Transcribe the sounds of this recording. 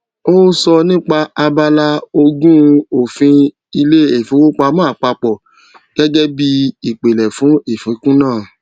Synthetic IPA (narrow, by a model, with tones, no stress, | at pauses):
o˦sɔ˧nĩ˦k͡pa˧a˧ba˧la˦o˧ɡũ˦˧o˨fĩ˧ | i˧le˦˨e˨fĩ˨˦ku˦k͡pa˧˦mã˦a˨k͡pa˧k͡pɔ˨ | ɡ̥ɛ˦ɡɛ˦bi˧i˨k͡pe˨lɛ˨fũ˨˦e˦˨fĩ˨˦kũ˦nãː˦˨